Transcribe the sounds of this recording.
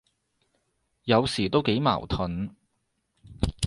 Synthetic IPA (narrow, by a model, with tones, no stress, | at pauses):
jɐ˨˧wsiː˨˩t̪o˥wke˨˥jma̰ː˨˩wt̪ʰɵ˨˥n